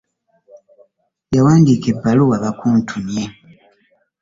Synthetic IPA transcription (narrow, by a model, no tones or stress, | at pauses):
jawaːndiːkepːaluwaβakuːntʰunja